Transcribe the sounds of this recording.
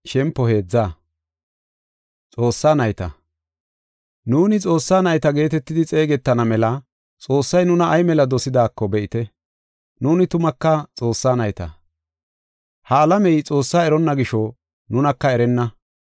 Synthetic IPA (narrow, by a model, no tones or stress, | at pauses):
ʃɛmpːɔhe̞ːd͡zːaː | t͡sʼo̞ːsːaːnɐjt̪ɐ̰ | nuːnɪt͡sʼo̞ːsːaːnɐjt̪ɐɡe̞ːt̪ɛt̪ːɪd̪ɪt͡sʼe̞ːɡɛt̪ːɐnɐmɛlɐ | t͡sʼo̞ːsːɐjnʊnɐʔːjmɛlɐd̪ɔsɪd̪aːkːɔbɛʔɪt̪ɛ | nuːnɪt̪ʊmɐkːɐt͡sʼo̞ːsːaːnɐjt̪ɐ̰ | hɐːlɐmɛjt͡sʼo̞ːsːaːɛɾɔnːɐɡɪʃɔ | nʊnɐkːɐɛɾɛnːɐ